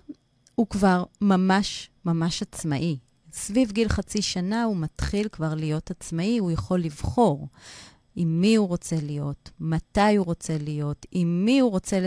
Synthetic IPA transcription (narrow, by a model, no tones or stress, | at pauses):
hukvaʁmamaʃmamaʃat͡smaʔi | svivɡilχat͡siʃanaumatχilkvaʁlijo̞tat͡smaihujaχo̞lːivχo̞ʁ | imːiuʁo̞t͡se̞lijo̞tmatajuʁo̞t͡se̞lijo̞timːihuʁo̞t͡se̞l